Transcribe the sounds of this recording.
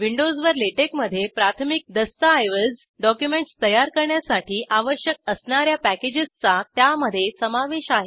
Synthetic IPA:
ʋiɳɖod͡zʋəɾleʈekməd̪ʱːjepɾat̪ʰmik̚d̪əst̪aːjʋəd͡z | ɖɔkjumeɳʈst̪əjaɾkəɾɳjasaʈiːʔaʋəɕjək̚əsɳaɾjapæked͡ʑist͡sat̪jaməd̪ʱːjesəmaʋeɕaɦe

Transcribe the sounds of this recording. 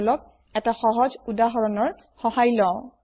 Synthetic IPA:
lɔk̚ | ɛtaxɔɦɔzudaɦɔɹɔnɔɹ | xɔhajlɔ̃ʊ̃

